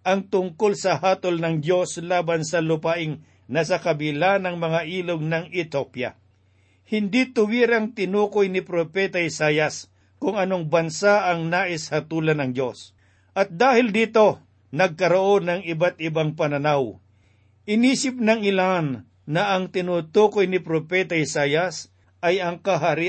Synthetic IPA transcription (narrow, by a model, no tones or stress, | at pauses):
ʔɐŋt̪ʊŋkolsɐhaːt̪o̞lnɐŋdo̞slaːbɐnsɐlʊpaʔɪŋ | nɐsɐkɐbɪlanɐŋmɐŋaʔiːloɡ̚nɐŋɪt̪opjɐ̰ | hɪnd̪it̪ʊwiːɾɐŋt̪ɪnuːkojnɪpɾopɛːt̪ɐɪsaːjɐs | kʊŋɐnoŋbɐnsaʔɐŋnaːʔɪshɐt̪uːlɐnɐŋd͡ʒo̞s | ʔɐt̪̚d̪aːhɪld̪iːt̪o̞ | nɐɡ̚kɐɾoʔo̞nɐŋɪbat̪ɪbaŋpɐnɐnaw | ʔɪniːsɪp̚nɐŋɪlanː | ɐɐŋt̪ɪnuːt̪uːkojnɪpɾopɛːt̪ɐɪsaːjɐs | ʔɐjɐŋkɐɦaɾi